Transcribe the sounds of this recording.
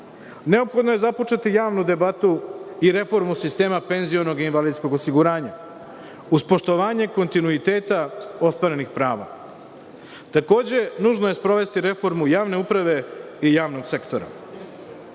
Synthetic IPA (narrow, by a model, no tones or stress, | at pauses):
ne̞o̞pxo̞d̪nojezapo̞t͡ʃet̪ijaːʋnud̪e̞bat̪uiɾe̞fo̞ɾmusist̪e̞ːmape̞nzio̞no̞ɡinʋaliːd̪sko̞ɡosiɡuɾaːɲa | uspo̞ʃt̪o̞ʋaːɲe̞ko̞nt̪inuit̪e̞ːt̪ao̞st̪ʋaɾe̞nixpɾaːʋa̰ | t̪ako̞ːd͡ʑe̞nuːʒnoje̞spɾo̞ʋe̞st̪iɾe̞fo̞ɾmujaːʋne̞upɾaʋe̞ | ijaːʋno̞ɡse̞kt̪o̞ɾa̰